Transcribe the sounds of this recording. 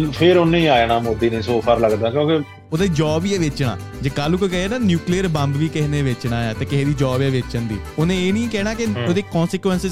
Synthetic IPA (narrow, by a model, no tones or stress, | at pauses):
pʰɪɾʊnĩːaːenaːmoːd̪iːnẽːsoːpʰəːɾləɡd̪ãːkjõːke | oːd̪ad͡ʒɔːbiːɛːʋɪt͡ʃɳa̰ː | d͡ʒeːkalukokɛɦeːnaːnjuːkliːəɾbə̃mbʋiːkɪɦneːʋɪt͡ʃnaːaːt̪eːkɪɦeːd̪iːd͡ʒɔːbɛːʋɪt͡ʃənd̪iːonẽːeːniːkɛːnaːkɪoːd̪eːkɔːnsɪkʋɛnsɪz